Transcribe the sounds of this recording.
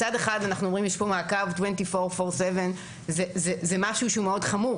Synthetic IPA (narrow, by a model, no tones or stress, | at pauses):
t͡sadeχadanaχnuomʁimjeʃpo̞maːkavtwentifo̞ʁfoʁseven | zezezemaʃuʃeumeo̞dχamu